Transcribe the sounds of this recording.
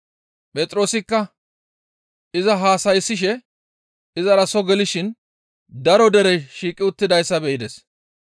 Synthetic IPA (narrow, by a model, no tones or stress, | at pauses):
pʼɛt̪ʼɾo̞ːsɪkːɐ | ɪzɐɦaːsɐjsːɪʃ̬ɛ | ɪzɐɾɐsɔɡɛlɪʃɪn | d̪ɐɾɔd̪ɛɾɛʃiːkʼːɪʊt̪ːɪd̪ɐjsːɐbɛʔɪd̪ɛs